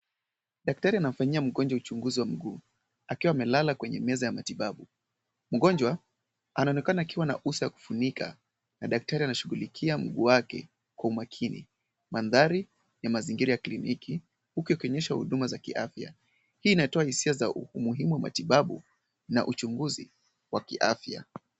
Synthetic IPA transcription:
ɗak̚taɾianam̩faɲiam̩ɠɔnd͡ʒwaut͡ʃuŋɡuziwam̩ɡuː | akiwaːmɛlalakwɛɲɛ̰mɛzajamatiɓaɓu | m̩ɡɔnd͡ʒwa | anaɔnɛkanaːkiwana̰ʔusajaku̥funikʰa̰ | naɗak̚taɾianaʃuɣulikʰiam̩ɡuːwakɛ̰ | kwaumakʰinḭ | manðaɾi | jamaziŋɡiɾajakliniki | hukiɔkɔɲɛʃahṵɗumazakḭʔa̰fja̰ | hiːnaɛtɔahisiazaumuɦimuwama̰tiɓaɓu | na̰ʔut͡ʃuŋɡuzi | wakḭʔa̰fja̰

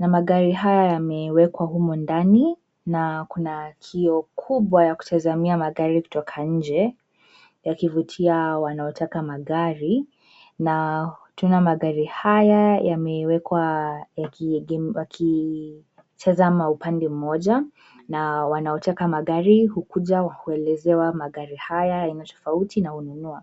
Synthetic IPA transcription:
namaɠaɾiɦajajamɛwɛkwaɦumɔndani | nakunakʰiɔkʰuɓwajaku̥tʰazamiamaɠaɾiku̥tɔkʰaɲ̩d͡ʒɛ | jakivutʰiawanaɔtʰakamaɠaɾi | natunamaɠaɾihajajamɛwɛkwaakakʰi | tʰazamaupandɛm̩mɔʄa | nawanaɔtakamaɠaɾihukuʄawahuɛlɛzɛwamaɠaɾihajajainatɔ̥fautʰinahununua

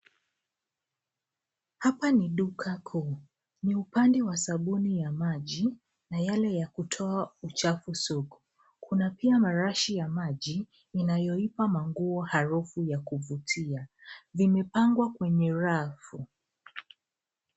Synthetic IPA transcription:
hapaniɗukʰakʰuː | niupandɛwasaɓunijamaʄi | najalɛjakutʰɔaut͡ʃafusuku | kʰunapiamaɾaʃijamaʄiː | najɔipamaŋɡuɔhaɾufujakuvutʰia | vimɛpaŋɡwakwɛɲɛɾafu

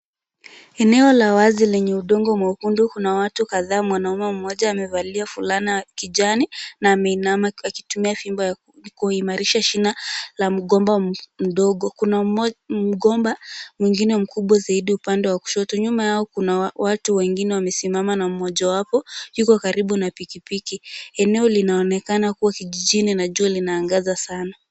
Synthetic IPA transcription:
ɛnɛɔlawazilɛɲɛuɗɔŋɡɔmwaukundukunawatukaðaːmwanaumɛm̩mɔʄaːmɛvaliafulanikiʄaninaːmɛinamaakitumiafimbaja | kuimaɾiʃaʃinalam̩ɠɔmbam̩ɗɔɠɔkunam̩ɠɔmbamwiŋɡinɛm̩kuɓwazaiɗiupandɛwaku̥ʃɔtuɲumajaɔkunaawatuwɛŋɡinɛwamɛsimamanaumɔʄawapɔjukɔkaɾiɓunapikipikiɛnɛɔlinaɔnɛkanakuwakiʄiʄininaʄualinaːŋɡazasana

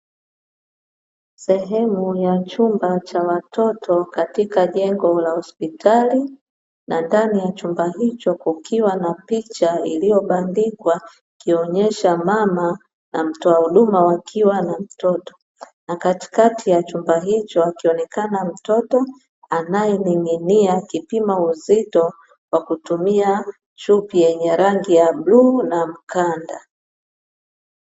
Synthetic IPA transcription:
sɛɦɛmujat͡ʃumbat͡ʃawatʰɔtʰɔkatikaʄɛŋɡɔlahɔspitʰali | nandanijat͡ʃumbaɦit͡ʃɔkukiwanapit͡ʃailijɔɓandikwa | kiɔɲɛʃamama | nam̩tɔahuɗumawakʰiwanam̩tɔtɔ̥ | nakati̥katʰijat͡ʃumbaɦit͡ʃɔakiɔnɛkanam̩tɔtɔ | anajɛniŋiniakipimauzitɔ | wakutumia | t͡ʃupijɛɲɛɾaŋɡijabluːnam̩kanda̰

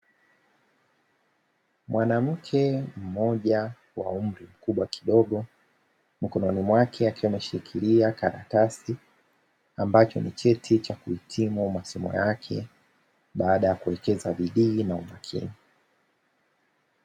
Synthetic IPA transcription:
mwʔanam̩kʰɛm̩mɔʄa | wa̰um̩ɾim̩kuɓwaki̥ɗɔɠɔ | m̩kɔnɔnimwakʰɛakiwamɛʃiɾikʰiliakaɾa̰kasi | ambat͡ʃɔ̰nit͡ʃɛtʰit͡ʃakuhitʰimumasimɔ̰jakʰɛ̰ | ɓaːɗajakuwɛkɛzaɓiɗiːnaumakʰḭni

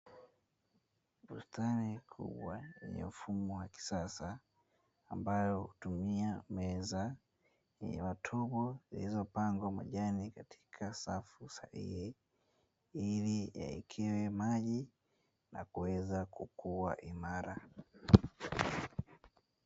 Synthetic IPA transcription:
ɓustanikʰṵɓwaɛ̰ɲɛ̰ufumɔwaki̥sasaː | mbajɔhutumiamɛza | matʰɔɓɔzḭlizɔpaŋɡwamwa̰ʄanikatʰi̥kʰasafusa̰hḭhi | ilija̰ɛ̰kʰiwɛmaʄi | na̰kuwɛzakukuwa̰ʔimaɾa

